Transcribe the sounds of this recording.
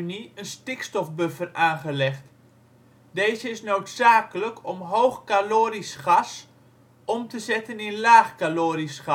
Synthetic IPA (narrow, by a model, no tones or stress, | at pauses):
niənstɪkstɔfbøfəraːχəlɛχt | deːzəɪsnoːtsaːkələkʰɔmɦoːxkaloːɾisχas | ʔɔmtəzɛtəninlaːχkaloːɾisχa